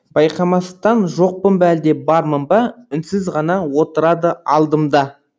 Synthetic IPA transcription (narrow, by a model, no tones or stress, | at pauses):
bɑjqɑmɑsət̪ɑnʒo̞q̚pəmbæld̪e̞bɑɾməmbɑɪnsɪzʁɑnɑwo̞t̪əɾɑd̪əɑlˠd̪əmd̪ɑ